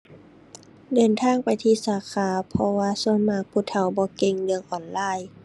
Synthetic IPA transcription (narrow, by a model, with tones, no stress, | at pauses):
dɤː˨nt̪ʰaː˧˥˨ŋpa˨jt̪ʰiː˧˨saː˨˦kʰaː˨˦pʰɔ˧waː˧su˧˥ənmaː˧˩k̚pʰuː˧˩t̪ʰa˨˩˦wbɔː˧ke˧ŋlɯ˧əŋʔɔː˨˩nlaː˧˩˨j